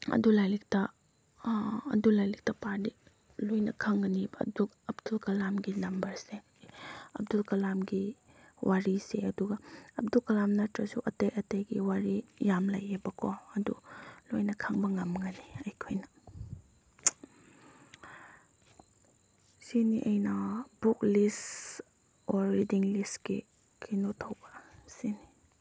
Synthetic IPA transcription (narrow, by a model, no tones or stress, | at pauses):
ɐ̰dulajlik̚tɐ | ɐ̰dulajlik̚tɐpaɾdi | lojnɐkʰaŋɡɐnibɐɐ̰duk | ɐpdulkɐlamɡinɐmbɐɾse | ɐ̰p̚dulkɐlamɡi | wʔaɾiseɐduɡɐɐp̚dukɐlamnɐtɾɐsuʔɐtejʔɐtejɡiwaɾijamla̰jebɐkʰɔɐdṵlojnɐkʰaŋbɐŋɐmŋɐniɐjkʰojnɐ | siniʔɐjnɐbuklis | ɔɾːidiŋlistki | kʰinotʰɐwbɐsini